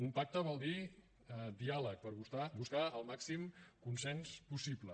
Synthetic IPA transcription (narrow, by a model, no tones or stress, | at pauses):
umpak̚t̪əβɔlˠd̪i | d̪ialək̚pəɾβust̪abuskaəlˠmaksimkunsɛnspusiplə